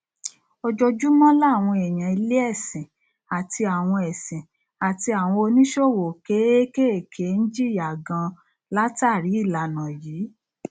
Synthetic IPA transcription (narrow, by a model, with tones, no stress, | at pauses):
ɔ˧d͡ʒɔ˧d͡ʒu˦mɔ̃˦la˦˨w̃ɔ̃˧ɛ˨j̃ã˨i˧le˦ɛ˦˨sɛ̃˨ | a˨tʰi˧a˨w̃ɔ̃˧ɛ˨sɛ̃˨ | a˨ti˧a˨w̃ɔ̃˧o˧nĩ˦ʃo˦˨wo˨ke˨˦e˦ke˦e˦˨kʰe˨˦n̩˦d͡ʒi˦˨ja˨ɡã˧ | la˦ta˦˨ɾi˨˦i˦˨la˨nã˨jiː˨˦